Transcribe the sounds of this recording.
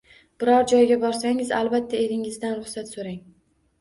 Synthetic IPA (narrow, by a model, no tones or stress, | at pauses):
b̥ɪɾɒɾd͡ʒɒjɡʲabɒɾsaŋɪzalˠbat̪ʰːae̞ɾɪŋɪzd̪anɾʊχsat̪soɾaŋ